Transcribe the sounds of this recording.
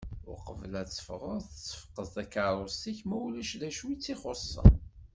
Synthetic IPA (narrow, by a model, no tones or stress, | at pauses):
ʊ̰ɾqəvəlæt͡sːə̥fəʁʊɾθt͡sːə̥fə̥qːəzt̪ækaɾˤost̪içmæwlæʃðæʃuwit͡sːiχosˤːɑ̰